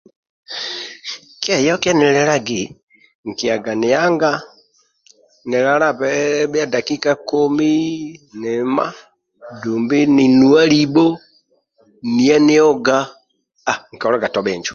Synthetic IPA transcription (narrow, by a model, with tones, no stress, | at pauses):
kja˨jɔ˦ka˦nɛ˨lɛ˦ɾa˦ɡi˨ | ŋ̩˨ki˨a˨ɡa˨nɪ˨a˦ŋɡa˦ | nɪ˨ɾa˦ɾa˦βɛβa˦da˨ki˦ka˦ko˦mi˦ne˨ma̰˦ | duː˨mbi˦ni˨nu˦a˦li˦bo˦ | ni˦a˦ne˦ɔ˦ɡa˦ | a˨ŋ̩˨kɔ˨ɾa˦ɡa˨tɔ˨βɛː˨ɲd͡ʒu̥˨